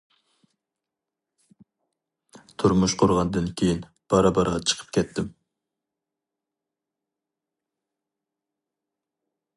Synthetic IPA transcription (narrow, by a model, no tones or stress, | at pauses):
t̪ʰʊɾmuʃqʰʊɾʁɑnd̪ɨnkʲʰejin | b̥ɑɾɑbɑɾʁɑt͡ʃʰə̥qʰə̥p̚kʲʰɛt̪ʰːɪm